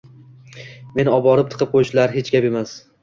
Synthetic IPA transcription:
me̞nɒbɒɾɪp̚t̪ʰɨ̥qʰɨp̚qʰojʃlaɾɦet͡ʃkʲape̞mas

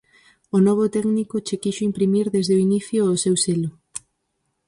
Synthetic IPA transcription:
onɔβ̞ot̪ɛɡnikot͡ʃekiʃoimpɾimiɾðezðeoiniθjoːsewselʊ

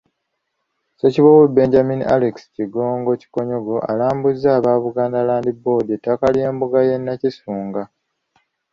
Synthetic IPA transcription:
so̞ciβowube̞ːɲɟaminiʔaleksi̥ciɡo̞ːŋɡo̞ci̥ko̞ɲo̞ɡo̞ʔa̰laːmbuzːaːβaːβuɡaːndalaːndibo̞ːdetːakalje̞ːmbuɡaje̞nːacisuːŋɡa

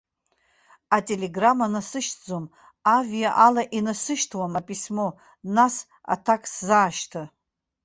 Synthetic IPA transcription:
atʲʼe̞le̞ɡramanasɨʃʰd͡zom | avijaʔalaʔinasɨʃtʰwamapʼismo̞ | nas | a̰tʰakʼszaːʃtʰa

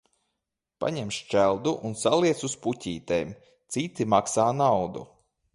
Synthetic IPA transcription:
pa̰ɲɛmʃt͡ʃælˠd̪uʔunsalˠiɛt̪susputʲiːt̪ejm | t̪sit̪imaksaːnawd̪ṵ

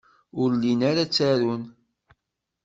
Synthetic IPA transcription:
ʊɾlinaɾat͡sːaɾun

